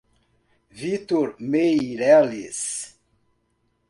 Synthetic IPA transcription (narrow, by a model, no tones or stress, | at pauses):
vit̪oɾmejɾɛlḭs